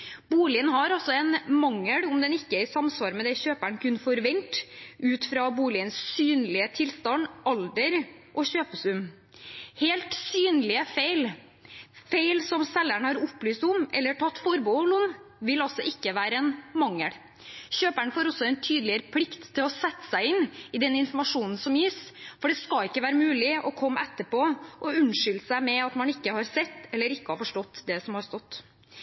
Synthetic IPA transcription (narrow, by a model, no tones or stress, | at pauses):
buːlɪənhɑɾɑsɔɛnmɑŋːəɽʊmd̪ɛnɪkːəɪsɑmsʋɑːɾmɛd̪ɛçøːpæɳkʰʉnfɔɾʋɛnt̪ʔʉːt̪fɾɑbuːlɪənssyːnlɪət̪ʰɪlst̪ɑnd̪ʔɑld̪əɾʔɔɕøːpəsʉm | heːlt̪syːnlɪəfeɪl | feɪlsɔmsɛlːæɳhɑɾʊplyːst̪ʊmɛ̰lːəʈʰɑt̪ːfɔɾbuːlʊnʋɪlɑlsɔʔɪkːəʋæːɾəɛnmɑŋːəɽ | çøːpæɳəfoːɾɔsːɔɛnt̪ʰyːd̪lɪəɾəpʰlɪkt̪ʰːɪlɔsɛt̪ːə̥sæɪɪnːɪd̪ɛnɪnfɔɾmɑʂuːnn̩sɔmjiːsfɔɖɛskɑɪkːəʋæːɾəmʉːlɪʔɔkʰɔmːɛt̪ːəɾpoːʔɔʉnʂʏlsæɪmɛɑt̪mɑnɪkːəhɑɾsɛt̪ːɛlːəɾɪkːəhɑɾfɔʂʈɔt̪ːd̪ɛsɔmhɑɾst̪ɔt̪ː